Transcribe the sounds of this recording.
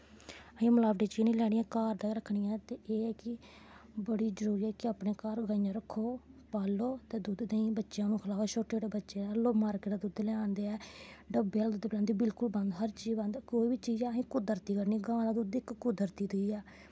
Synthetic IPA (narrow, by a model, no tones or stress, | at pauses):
əɦĩːməlaːbʈiːt͡ʃiːnĩːlɛːɽiːãːkaːɾd̪aːɾəkʰːɳijɛ̃ːt̪eːʔeːɛːkɪ | bəɽiːzəɾuːɾiːɛːkɪaːpɳeːkaːɾɡaːĩjãɾəkʰːoːpaːloːt̪eːd̪ud̪neĩːbətːʃjãːnũːkʰəlaːʋʃoːʈeːɖbətːʃeːaːloːmaːɾkeːʈad̪ud̪lɛːãːnd̪eːɛːɖəbeːald̪ʊːd̪plɛ̃ːnd̪iːbɪlkʊlbə̃nd̪ɦəɾt͡ʃiːbənd̪koːiːbiːt͡ʃiːzɛːɦĩːkʊd̪əɾt̪iːkəɾniːɡãːlãːd̪ud̪ɪkːʊd̪əɾt̪iːd̪əiːɛː